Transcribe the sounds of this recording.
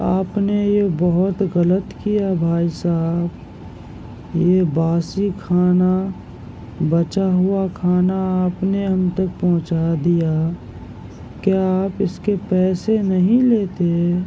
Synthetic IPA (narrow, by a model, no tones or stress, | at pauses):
a̰ːpnejebɔɦʊt̪ɣələt̪kijabʱaːisaːɦb | jebaːsikʰaːna | bət͡ʃaɦʊakʰaːnaːpneɦɐmt̪ək̚pɔɦʊ̃t͡ʃad̪ija | keaːpɪskepɛːsenɐɦĩleːt̪e